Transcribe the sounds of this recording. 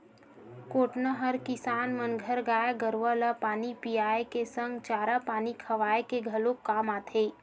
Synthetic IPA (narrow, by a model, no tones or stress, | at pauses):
koːʈnaɦəɾkɪsaːnmənɡʱəɾɡaːjaɡəɾʋalapaːnipijaːekesə̃ŋɡt͡ʃaːɾapaːnikʰɐʋaːjekeɡʱɐlokːaːmaːt̪ʰeː